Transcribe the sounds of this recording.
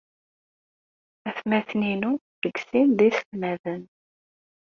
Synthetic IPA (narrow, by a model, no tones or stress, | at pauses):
æθmæθninu | ðəɡsinðisəlmæðən